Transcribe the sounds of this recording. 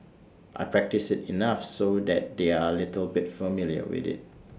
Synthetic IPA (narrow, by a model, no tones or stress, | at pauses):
ʔa̰jpʰɹɛk̚tisɪtinafsodɛt̚deaəlɪtəlbɪtfəmiljə̰wɪ̰dɪ̰t̚